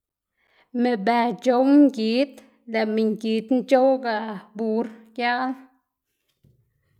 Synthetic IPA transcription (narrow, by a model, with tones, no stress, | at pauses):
me˨bɛ˨d͡ʒo˨˦ŋ˦ɡi˨˦t̪̚ | la˨mi˨ŋɡi˨˦t̪n˦d͡ʒo˦wɡa˨ʔbu˨˦ɾkja˦ʔl